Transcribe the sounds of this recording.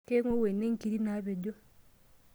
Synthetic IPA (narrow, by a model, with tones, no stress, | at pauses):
ke˦ŋo˦we˨ne˦ŋ̩˨ki˨ɾi˦na˨˦βe˨ɟo˦